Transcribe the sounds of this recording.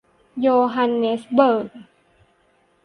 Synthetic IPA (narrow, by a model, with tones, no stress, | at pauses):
joː˧ɦa˧nːe˦˥sbɤː˨˩k̚